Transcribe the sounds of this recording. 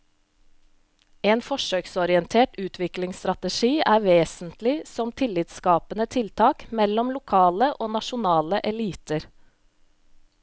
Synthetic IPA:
eːnfɔʂøːksɔɾɪɛnt̪ʰeːʈʉːt̪ʰʋɪklɪŋst̪ɾɑt̪əʃiːʔæːʋeːsnt̪lɪsɔmt̪ʰɪlːɪt̪skɑːpənət̪ʰɪlt̪ʰɑːkmɛlɔmlʊkʰɑːləʔoːnɑʃʊnɑːləʔɛliːt̪əɾ

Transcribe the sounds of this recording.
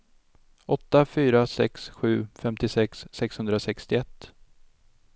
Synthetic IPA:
ɔt̪ːafyːɾasɛ̰ksɧʉ̟ːfɛmt̪ɪsɛksːɛkshɵnd̪ɾasɛkst̪ɪɛt̪ː

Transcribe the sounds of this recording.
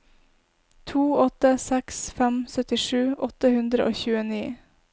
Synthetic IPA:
t̪ʰuːɔt̪əsɛksfæmsœt̪ɪʂʉːʔɔt̪əhʉnd̪ɾəʔo̰ːçʉːəniː

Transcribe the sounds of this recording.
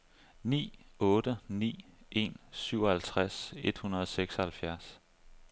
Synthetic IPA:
nḭːɔ̽ːd̥ənḭːʔe̝̰nsyʊ̰ɒ̽hælt͡sʰʁase̝d̥hunɐðˠɒ̽seɡ̥sɒhælfjæɐs

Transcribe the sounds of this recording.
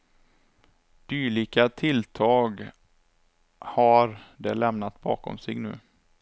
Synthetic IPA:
d̪̥yːɭɪkat̪ʰɪlt̪ʰɑːɡ | haɾd̪ɛlɛmnat̪bɑːkɔ̰msɛɡnʉ̟ː

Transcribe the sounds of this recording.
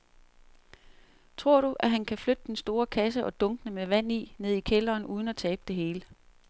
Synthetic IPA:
t͡sʰʁo̝ɐ̰ɾ̥uʔæɦænkʰæflød̥əd̥ensd̥o̝ːɐkʰæs̬əʔɒ̽d̥ɔ̽ŋɡ̥ənəmeʋæn̰ine̝ð̞̰ˠikʰelɐːnuːð̞ˠn̩æt͡sʰɛːb̥əd̥e̝ɦe̝ːlə

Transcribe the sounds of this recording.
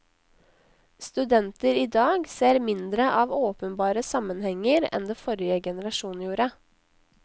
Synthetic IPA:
st̪ʉd̪ɛnt̪əɾiːd̪ɑːɡseːɾmɪnd̪ɾəʔɑːʋoːpənbɑːɾəsɑmənhɛŋəɾɛ̰nd̪eːfɔɾɪjəɡɛnəɾɑʃuːnjuːɾə

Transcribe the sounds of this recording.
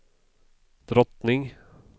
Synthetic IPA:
d̪̥ɾɔt̪nɪŋ

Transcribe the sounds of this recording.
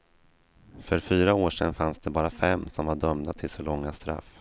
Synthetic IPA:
fœɾfyːɾaoːʂɛnfansd̪ɛbɑːɾafɛmːsɔmvaɖœmnat̪ʰɪlsɔlɔŋːast̪ɾa̰f

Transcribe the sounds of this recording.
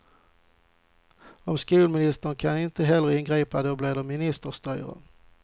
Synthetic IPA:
ɔmskʉːlmɪnɪst̪əɳkʰanɪnt̪əɦɛlːəɾɪnɡɾiːpad̪ɔbleːd̪ɔmɪnɪst̪əʂt̪œʏɾə̰

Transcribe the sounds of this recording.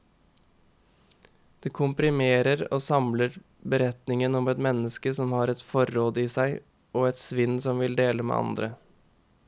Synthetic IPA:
d̪̥eːkʰʊmpɾɪmeːɾəɾo̰ːsɑmləɾ | bəɾɛt̪nɪŋənɔmɛt̪mɛnəskəsɔmhɑːɾɛt̪fɔɾoːd̪əiːsæɪ | ʔoːɛt̪sʋɪnsɔmʋɪld̪eːləmḛːɑ̰nd̪ɾə

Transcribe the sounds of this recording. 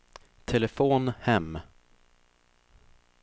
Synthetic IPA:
t̪ʰɛlɛfoːnhɛm

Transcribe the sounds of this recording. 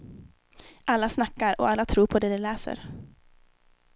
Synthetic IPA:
ʔalːasnakːaɾɔ̰alːat̪ʰɾuːɾpʰɔd̪ɛd̪ɛlɛːsə̰ɾ

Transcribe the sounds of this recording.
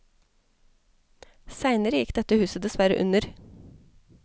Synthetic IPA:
sæɪnəɾəjɪkd̪ɛt̪əhʉːsəd̪ɛsʋæɾə̰ʔʉ̰nəɾ

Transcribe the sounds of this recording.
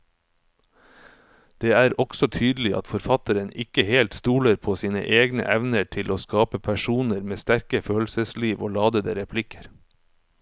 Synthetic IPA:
d̪̥eːæːɾɔɡ̥sɔt̪ʰyːd̪l̩ɪʔɑ̰t̪fɔɾfɑt̪əɾənɪkəheːlt̪st̪uːləɾpʰoːsiːnə̰ʔeːɡnə̰ʔɛʋnəʈʰɪlʔoːskɑːpəpʰæʃuːnəɾmeːst̪æɾkəføːlsəsliːʋo̰ːlɑːd̪əd̪ḛːɾɛpʰlɪkʰə̥ɾ

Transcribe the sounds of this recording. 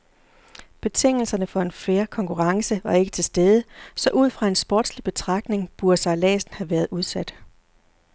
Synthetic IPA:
b̥e̝t͡sʰe̝ŋ̰l̩sɐnəfɒ̽e̝nfeːɐkʰɒ̽ŋkʰuʁɑ̈ŋsəʋɑ̈e̝ɡ̥ə̥t͡sʰe̝sd̥eð̞ˠəsɒ̽ʔuð̞̰ˠfʁɑ̈e̝nsb̥ɔ̰ːd̥slib̥e̝t͡sʰʁɑ̈ɡ̥ne̝ŋb̥uɐd̥sɑ̈ɪlɛ̰ːsn̩hæʋæɐð̞̩ˠʔuð̞ˠsæd̥

